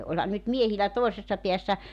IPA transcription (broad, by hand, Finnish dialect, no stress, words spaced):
olhɑn nyt miehilæ toˑisesːɑ piæsːæ